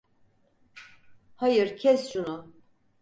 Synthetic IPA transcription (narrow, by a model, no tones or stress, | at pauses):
hajɯɾcʰɛsɾunu